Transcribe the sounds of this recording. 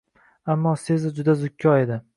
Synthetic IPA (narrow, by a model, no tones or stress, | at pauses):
amːɒse̞zɪd͡ʒʊd̪azʊkʲʰːɒe̞d̪ɪ